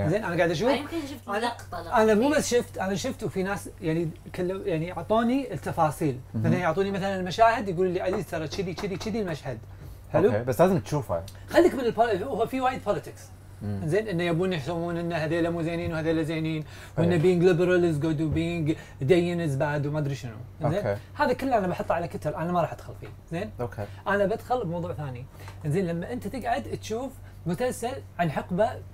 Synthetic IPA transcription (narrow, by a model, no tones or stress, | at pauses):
ɪnzeːnʔanaɡaʕd̪ʔaʃ̬uːfɪmknʃʊft̪anʔanamuːbasʃɪft̪ʔanaʃʊft̪wfinaːsjaʕni | kalːjaʕnijʊʕt̪ˤuːnit̪ːɑfɑːsˤiːlmaθalanjʊʕt̪ˤuːnimaθalanɪlmaʃaːhɪd̪jɡuːlulːiʕazizt̪ɑɾˤɑt͡ʃid̪it͡ʃid̪it͡ʃid̪ilmaʃhad̪ | ħɪlubaslaːzɪmt̪ʃuːfha̰ | xalːikmɪnɪlpohʊwfiwaːjɪd̪̚pʰolɪt̪ɪks | nzeːnʔɪnːajabuːnjɪħsamuːnʔɪnːahaðeːlamuːzeːniːnwhaðeːlazeːniːn | wʔɪnːabiːŋɡlɪbɾˤɑlɪzɡʊd̪wbiŋɡ | d̪ajːɪnɪzbaːd̪wmad̪ɾiʃɪnṵʔnzeːnːhaːðakɪlːʔanabɑħɑt̪ːˤʕalakɪt̪ɪɾʔanamaɾˤɑːħʔad̪xalfḭː | zeːnokʰeʔanabad̪xʊlbmɑwðˤuːʕθaːni | ʔɪnzeːnlamːaʔɪnt̪at̪ɪɡʕad̪t̪ʃuːf | mʊsalsalʕanħɑqba